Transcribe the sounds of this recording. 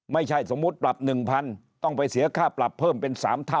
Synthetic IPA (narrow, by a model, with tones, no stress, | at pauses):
ma˥˩jt͡ɕʰa˥˩jso˩˦mːu˦˥t̪̚pla˨˩p̚nɯ˨˩ŋpʰa˧n | t̪ɔ˥˩ŋpa˧jsi˨˩˦ɐkʰaː˥˩pla˨˩pʰːɤː˥˩mpe˧nsaː˩˦mt̪ʰa˥˩